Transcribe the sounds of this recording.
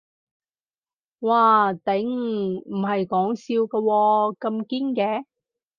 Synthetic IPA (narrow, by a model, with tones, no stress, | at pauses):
waː˨˩t̪ɪ˨˥ŋm̩˨˩hɐ˨jkɔː˨˥ŋsiː˧wkɐ˧wɔː˧kɐ˧mkiː˥nkɛː˨˥